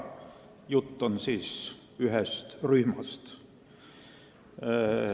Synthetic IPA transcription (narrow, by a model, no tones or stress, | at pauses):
jut̪ːonsiːs | yhest̪ryhmɑst̪